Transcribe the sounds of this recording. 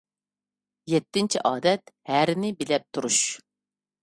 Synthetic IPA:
jɛt̪ːɪnt͡ʃʰiʔɑːd̪ɛt̪̚hæɾɪnɪbɪlɛp̚t̪ʰuɾuʃ

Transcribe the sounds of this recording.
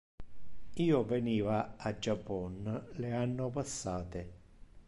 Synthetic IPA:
iːovɛniːvaad͡ʒːapːɔnleanːopasːaːt̪e

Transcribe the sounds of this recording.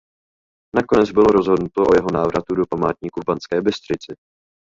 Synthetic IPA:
nako̞nɛd͡zbɪlo̞ɾo̞zɦo̞dnut̪oʔojɛɦo̞naːvɾʔat̪udopamaːt̪ɲiːkuvbant͡skɛːbɪst̪rɪt͡sɪ

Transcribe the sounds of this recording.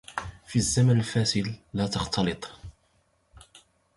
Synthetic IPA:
fizːamənəlfæːsɪd̪ːæt̪ɑxt̪ɑlɨt̪ˤ

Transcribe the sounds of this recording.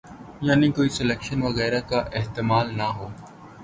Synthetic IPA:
jaːnikoːisɪleːkʃənʋɐɣɛːɾakaʔeɦt̪ɪmaːlnaɦoː

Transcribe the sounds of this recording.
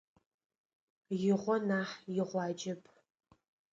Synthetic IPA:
jɪʁʷɔnaːħjɪʁʷɑːd͡ʒɐpʰʼ

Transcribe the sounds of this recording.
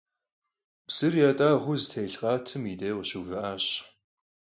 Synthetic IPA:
psɨrjatʼaːʁʷʊztʰeːjɬqʼɑːtʰɨmiːtʼeːʁɕuːvɐʔaːɕ

